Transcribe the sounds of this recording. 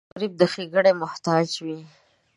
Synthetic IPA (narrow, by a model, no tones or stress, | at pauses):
ɾib̚d̪əxeɡəɽemʊht̪ɑd͡ʒwi